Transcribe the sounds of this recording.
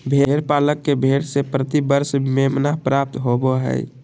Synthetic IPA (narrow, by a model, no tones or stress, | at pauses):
bʱeɾpaləkːebʱeɽsepɾət̪ibəɾsmemnapɾap̚t̪ɦoboɦɛ̰ɪ